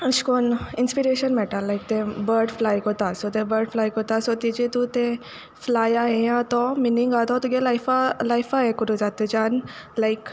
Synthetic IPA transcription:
əʃkoninspiɾeɕənmɛʈalːajk̚t̪ẽbəɾɖflajkot̪asɔt̪ebəɾɖflajkot̪asɔt̪id͡ʑet̪ut̪ẽ | flajaɦejãt̪ɔminiŋɡat̪ɔt̪uɡelajfalajfaɦekuɾud͡zat̪ed͡ʑanlaik

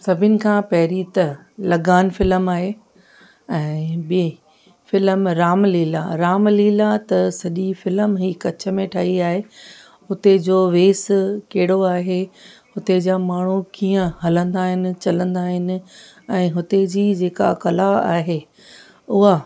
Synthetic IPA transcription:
sɐbʱɪnɪ̆kʰãːpɐɦɪɾit̪ɐ | lɐɡaːnfɪləmaːɦeː | ɛ̃ːbi | fɪləmɾaːmliːla̰ɾaːmliːlat̪ɐsɐʄifɪləmɦiːkɐt͡ɕʰə̆mẽʈʰaːɦiaːɦe | hʊt̪ed͡ʑoːʋeːskɐɦɪɽoaːɦehʊt̪ed͡ʑaːmaːɳ̤̃ukiːə̃hɐlə̃nd̪aːɦɪnɪ̆t͡ɕɐlə̃nd̪aːɦɪnɪ̆ | ɛ̃ːɦʊt̪ed͡ʑiːd͡ʑeːka̰kɐlaa̰ːɦe | ʊɦa

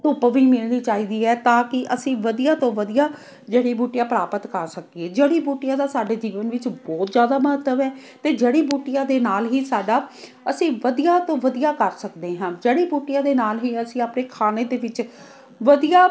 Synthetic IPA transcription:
ʊpʋiːmɪlniːt͡ʃaːiːd̪iːɛːt̪ãːkɪʔəsĩːʋəd̪ijaːt̪õːʋəd̪ijaː | d͡ʒeːɽiːbuːʈɪjaːpɾaːpət̪kəɾsəkieːd͡ʒeːɽiːbuːʈɪjãːd̪aːsaːɖeːd͡ʒiːʋənʋɪt͡ʃbɔːt̪zjaːd̪aːməɦət̪ːəʋɛː | t̪eːd͡ʒeːɽiːbuːʈɪjaːd̪eːnaːlɦiːsaːɖaː | əsĩːʋəd̪ijaːt̪õːʋəd̪ijaːkəɾsəkd̪eːɦãːd͡ʒeːɽiːbuːʈɪjãːd̪eːnaːlɦiːəsĩːapneːkʰaːneːd̪eːʋɪt͡ʃ | ʋəd̪ijaː

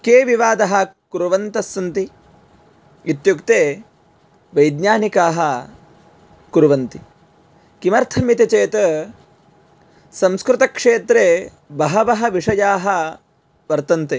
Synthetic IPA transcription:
keːʋiʋaːd̪ɐɦɐkuɾuʋɐnt̪ɐsɐnt̪i | it̪jukt̪eː | ʋɐjd̪ɲaːnikaːɦɐ̆ | kuɾuʋɐnt̪i | kimɐɾt̪ʰɐmjit̪ɐt͡ʃeːt̪ɐ | sɐmskɾɪt̪ɐkʂeːt̪ɾeː | bɐɦɐʋɐɦɐ̆ʋiʂɐjaːɦɐ̆ | ʋɐɾt̪ɐnt̪eː

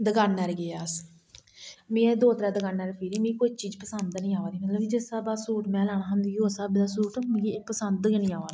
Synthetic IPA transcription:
d̪əɡaːnɛːɾɡeːaːs | mĩːed̪oːt̪ɾɛːd̪əɡaːnɛːɾpʰiɾiːmẽːkoːit͡ʃiːd͡ʒpəsənd̪nĩːaːʋaːd̪iːmət̪ləbd͡ʒesaːbaːsuːʈmɛ̃ːlaːɽ̃ãːɦənd̪iːjosaːbd̪aːsuːʈmẽɡipəsənd̪kːnĩːaːʋaːlaː

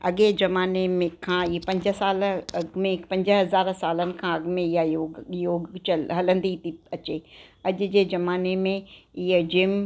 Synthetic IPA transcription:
ɐɠezɐmaːnemẽkʰãipɐ̃ɲd͡ʑəsaːlɐmẽpɐ̃ɲd͡ʑɦɐzaːɾsaːlənɪ̆kʰãɐɡmẽɪɦajojoːɡt͡ɕəlɦɐlə̃nd̪it̪iɐt͡ɕeːɐʄʊ̆d͡ʑeːzɐmaːnemẽɪɦəd͡ʑɪm

